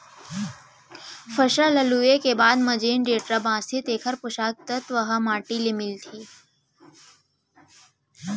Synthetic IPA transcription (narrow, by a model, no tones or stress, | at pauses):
fəɕələlujekebaːd̪məd͡ʑeːnɖeːʈɾəbãːst̪ʰit̪eːkʰəɾpuʃaːk̚t̪ət̪ʋəɦəmaːʈilemilt̪ʰiː